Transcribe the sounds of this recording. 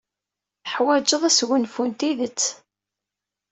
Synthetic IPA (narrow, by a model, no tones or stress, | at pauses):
θəħwæd͡ʒəðˤæsɣənfunt̪iðət͡sː